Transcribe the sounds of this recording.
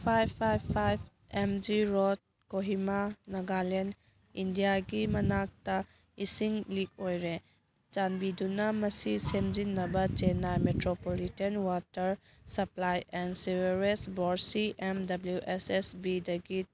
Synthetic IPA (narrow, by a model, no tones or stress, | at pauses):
pʰajbʰajbpʰajb | emd͡ʒiɾot̚ | koɦimanɐɡalen | indijaɡimɐnak̚tɐ | isiŋlik̚ojɾe | t͡ʃanbidunɐmɐsisemd͡ʒinːɐbɐt͡ʃenametɾopolitenwatɐɾ | sɐplajensiweɾesboɾsiʔemdɐbljuʔesesbidɐɡi